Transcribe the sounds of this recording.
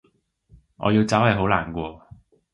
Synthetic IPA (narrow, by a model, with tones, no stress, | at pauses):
ŋʔɔ̰ː˨˧ji˧wt͡saː˨˥whɐ˨jɦo˨˥wlaː˨˩nkʷɔː˧